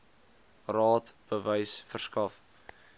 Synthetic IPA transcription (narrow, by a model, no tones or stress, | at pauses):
rɑːtb̥əvəjsfərskɐf